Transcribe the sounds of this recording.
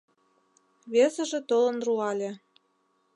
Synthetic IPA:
βesə̆ʒĕt̪olə̆nruɑlʲĕ

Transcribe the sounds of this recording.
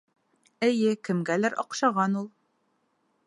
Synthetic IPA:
ɘ̆jɘkɘ̆mɡælæɾɒ̰qʃɑʁɑnulˠ

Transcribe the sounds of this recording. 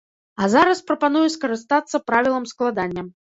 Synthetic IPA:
ɐzaɾɐspɾɐpan̪ujɛskɐɾɨst̪at̪sːɐpɾavʲilˠɐmsklˠad̪anʲːɐ

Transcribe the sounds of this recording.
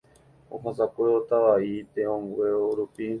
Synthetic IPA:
õ̰ɦõsakʷeot̪aʋait̪eõŋɡweoɾupi

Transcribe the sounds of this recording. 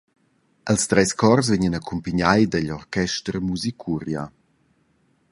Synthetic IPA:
ʔəlst̪ɾɛskɔrs̬vɪɲənakʰumpəɲajdəʎɔrkɛʃtɾmuzikʰuɾja̰

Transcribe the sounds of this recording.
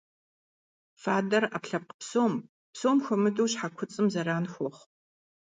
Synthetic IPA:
faːdɐrapɬɐp̚qpsoːm | psoːmxʷɐmɨdowɕħakʷʰʊt͡sʼɨmzɐɾaːnxʷɔχ

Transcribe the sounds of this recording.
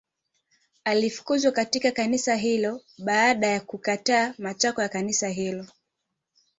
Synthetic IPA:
alifu̥kuzwakatikakanisaɦilɔɓaaɗajakukataːmat͡ʃakɔjakanisaɦilɔ

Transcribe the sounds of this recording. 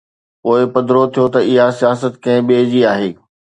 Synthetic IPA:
poːɪpɐd̪ɾot̪ʰijot̪ɐɪɦasijaːsət̪kɐ̃ɦɪ̃ɓeːd͡ʑiaːɦeː

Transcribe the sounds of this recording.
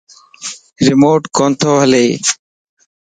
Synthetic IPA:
ɾɪmoːʈkoːnt̪ʰoːʋəleː

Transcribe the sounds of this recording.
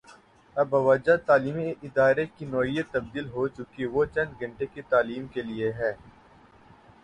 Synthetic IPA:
ɐbɐʋɐd͡ʒat̪aːliːmiɪd̪aːɾekinɔːɦijət̪ːɐb̚d̪iːlɦot͡ʃʊkiʋot͡ʃɐ̃nd̪ɡʱɐ̃ɳʈeket̪aːliːmkelieɦɛː

